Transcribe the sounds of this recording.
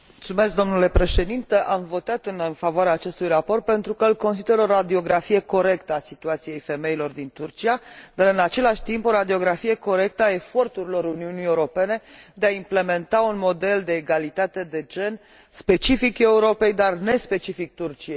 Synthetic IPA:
mult̪sume̞sk̚d̪o̞mnule̞pɾe̞ʃe̞d̪int̪eʔamvo̞t̪at̪ɨnnfavoaɾeaːt͡ʃe̞st̪ujrapo̞rt̪̚pe̞nt̪ɾukəlko̞nst̪id̪eɾo̞ɾad̪io̞ɡɾafije̞ko̞ɾe̞kt̪əasit̪uat̪sije̞jfe̞me̞ilo̞rd̪int̪urt͡ʃijad̪̥aɾɨnat͡ʃe̞laʃʲt̪impo̞ɾad̪io̞ɡɾafije̞ko̞ɾe̞k̚t̪əae̞fo̞rt̪uɾilo̞ɾuniunijeuɾo̞pe̞ne̞d̪e̞aimple̞me̞nt̪aunmo̞d̪e̞ld̪e̞ːɡalit̪at̪e̞d̪e̞d͡ʒe̞n | spe̞t͡ʃifike̞uɾo̞pe̞jd̪arne̞spe̞t͡ʃifik̚t̪urt͡ʃijej

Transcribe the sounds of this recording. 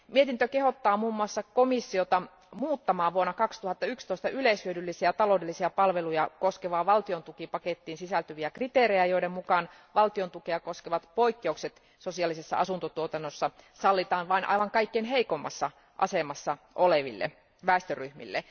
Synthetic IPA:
miet̪int̪økehot̪ːɑːmuːmːuɑsːɑkomisːiot̪ɑ | muːt̪ːɑmɑːʋʋuonːɑkɑkst̪uhɑt̪ːɑykst̪oist̪ɑyleishyødylːisiæt̪ɑloːdelːisiæpɑlʋelujɑkoskeʋɑːʋɑlt̪iont̪ukipɑket̪ːiːnsisælt̪yʋiækrit̪eːɾejæjoidemmukɑn | ʋɑlt̪iont̪ukeɑkoskeʋɑt̪poikːeukset̪ | sosiɑlːisesːɑ̰ɑsunt̪ot̪uot̪ɑnːosːɑsɑlːit̪ɑːnʋɑinʔɑ̰iʋɑŋkɑikːenɦeikomːɑ̰sːɑ | ʔɑ̰semɑsːɑʔoleʋḭlːḛ | ʋæˑest̪øryhmḭlːḛ

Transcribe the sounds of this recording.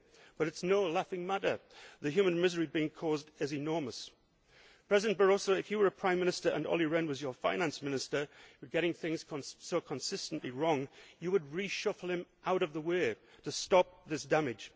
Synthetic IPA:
b̥ʌɾɨtsnoʊlæfɪ̃ŋmæɾə˞ðɨɦjʉmɨ̃nmɪzə˞ibiɪ̃ŋkʰɔzdɨzɨnɔɹməs | pʰɹ̥ɛzɨdɨ̃nb̥ə˞ɔsoʊɨfjɨwə˞ɨpʰɹ̥ãɪ̃mːɪ̃nɨstə˞ʔə̰̃nɔ̰lˠiɹɛ̃nwʌzjə˞fã̰ɪ̃næ̃nsmɪ̃nɨstə˞wɨɡɛɾɪ̃ŋθɪ̃ŋz̥ʰsoʊkʰə̃nsɪstn̩ʔliɹɔ̃ŋjɨwəd̚ɹiʃʌfl̩ˠɨ̃mʔaʊɾʌvðəweɪɾɨstɑp̚ðɪsd̥æmɪd̥ʒ̥

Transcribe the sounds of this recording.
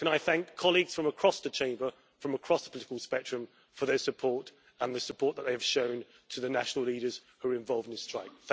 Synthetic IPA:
kʰə̃naɪθæ̃ŋkʰːɒliɡz̥fɹə̃məkʰɹ̥ɒsðət͡ʃʰẽɪ̃mbə | fɹə̃məkʰɹ̥ɒsðəpʰəlɪtɪkəlˠspɛk̚t͡ʃɹ̥ɨ̃mɱ | fəðəsəpʰɔɹt | ə̃nðəsəpʰɔˑʔ̪̚ðəʔ̚ðeɪəv̥ʃə̃ʊ̃n | tʰəðənaʃnəlˠliːɾəz̥hʉəɹɪ̃ɱvɒlˠvdɪ̃nðɪstɹ̥aɪk̚θ

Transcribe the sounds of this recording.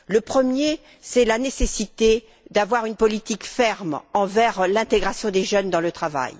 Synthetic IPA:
ləpχəmje | sɛlanesesit̪e | d̪avwaʁynpɔlit̪ikfɛʁmɑ̃vɛʁlɛ̃t̪eɡʁasjɔ̃d̪eʒœnd̪ɑ̃lət̪χava̰j

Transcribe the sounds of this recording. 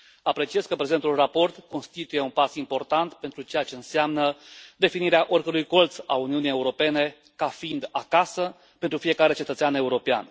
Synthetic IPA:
apɾe̞t͡ʃie̞zkəpɾe̞ze̞nt̪ulrapo̞rt̪ko̞nst̪it̪uje̞unpasimpo̞rt̪ant̪pe̞nt̪ɾut͡ʃe̞jat͡ʃe̞ɨnseamnəd̪e̞finiɾeaʔo̞rʲkəɾujko̞lt̪sa̰uniunije̞uɾo̞pe̞ne̞ | kafiind̪akasə | pent̪ɾufije̞kaɾe̞t͡ʃe̞t̪ət̪seane̞uɾo̞pea̰n

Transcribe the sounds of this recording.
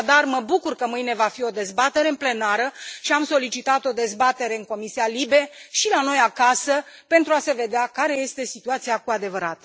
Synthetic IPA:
d̪arməbukurkəmɨjne̞vafio̞d̪e̞zbat̪e̞ɾe̞ɨnple̞naɾəʃiamso̞lit͡ʃit̪at̪o̞d̪e̞zbat̪e̞ɾe̞ɨŋko̞misialibe̞ʃilano̞jakasə | pe̞nt̪ɾuase̞ve̞d̪eakaɾe̞je̞st̪e̞sit̪uat̪siakuad̪e̞vəɾat̪

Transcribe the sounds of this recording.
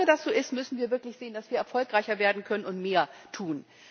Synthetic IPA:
ədasz̥oːʔɪstmʏsn̩viːɐvɪɐklɪçz̥eːənd̥asv̥iːɐɛɐfɔlkʁ̥aɪçɐveːɐdn̩kʰœnənʊntmeːɐtʰuːn

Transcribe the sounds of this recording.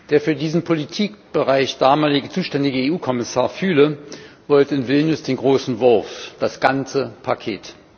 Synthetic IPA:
d̥eːɐfyːɐdiːzn̩pʰolitʰiːk̚b̥əʁaɪçd̥aːmaːlɪɡət͡suːʃtɛndɪɡəeːʔuːkʰɔmɪsaːɐfyːləv̥ɔltəɪnvɪlnjʊsd̥eːnɡʁoːsn̩vʊɐfd̥asɡ̥ant͡səpʰakʰḛːt

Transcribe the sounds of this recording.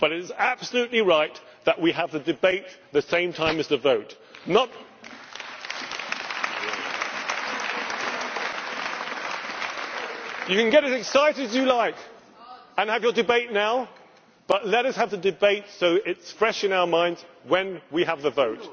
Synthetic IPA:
b̥ʌɾɨɾzæb̥səlʉtˡliɹaɪt̪̚ | ðəʔwiəvðɨdɨbeɪt̪̚ | ðɨsẽɪ̃mtʰãɪ̃mɨzðɨvoʊt | nət̚ | jɨkɨ̃nɡɛɾɨzɨksaɪɾɨzjɨlaɪk | ə̃nɨvjə˞dɨbeɪtⁿnaʊ | b̥ʌtˡlɛɾʌshəvðɨdɨbeɪtsoʊɪtsfɹɛʃɨ̃naʊə˞mãɪ̃ndz̥ | wɨ̃nwiəvðəvoʊt̚

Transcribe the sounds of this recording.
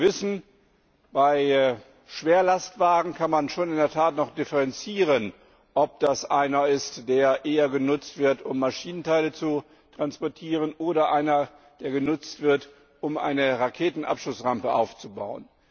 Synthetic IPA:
vɪsn̩ | b̥aɪ | ʃv̥eːɐlastv̥aːɡŋ̩kʰanmanʃoːnɪndeːɐtʰaːtnɔχd̥ɪfəʁɛnt͡siːʁən | ʔɔp̚d̥asʔaɪnɐɪstd̥eːɐʔeːɐɡənʊt͡stv̥ɪɐtʊmːaʃiːnəntaɪlət͡su | tʁ̥anspɔɐtʰiːʁ̞ənʔoːɾɐʔaɪnɐ | d̥eːɐɡənʊt͡stv̥ɪɐt | ʔʊmʔa̰ɪnəʁakʰeːtn̩ʔa̰pʃlʊsʁampəʔa̰ʊft͡suba̰ʊə̰n

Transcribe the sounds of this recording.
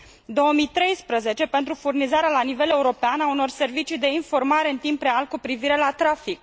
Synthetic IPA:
d̪o̞wəmit̪ɾe̞jspɾəze̞t͡ʃe̞pe̞nt̪ɾufurnizaɾealanive̞le̞uɾo̞peanauno̞rse̞rvit͡ʃid̪e̞info̞rmaɾe̞ɨnt̪impre̞alkupɾiviɾe̞lat̪ɾafik̚

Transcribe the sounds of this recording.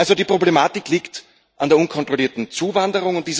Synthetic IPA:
alzodiːpʁ̥oblemaːtɪkliːkt | ʔandeːɐunkʰɔntʁ̥oliːɐtn̩t͡suːvandəʁʊŋʊnt̚diːz

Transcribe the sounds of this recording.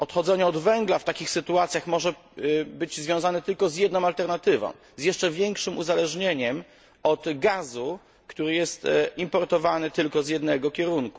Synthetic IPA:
ɔt̪xɔd̪zɛɲɛɔd̪vɛŋɡlaft̪akʲixsɘt̪uat̪sʲjaxmɔʐɛ | bɘd͡ʑzvʲjɔ̃w̃zanɛt̪ɘlkɔzjɛd̪nɔ̃w̃alt̪ɛɾnat̪ɘvɔ̰̃w̃ | zjɛʂt͡ʂɛvʲjɛŋkʂɘmuzalɛʐɲeɲɛm | ɔt̪ɡazu | kt̪uɾɘjɛst̪impɔɾt̪ɔvanɘt̪ɘlkɔzjɛd̪nɛɡɔkʲɛɾunku̥

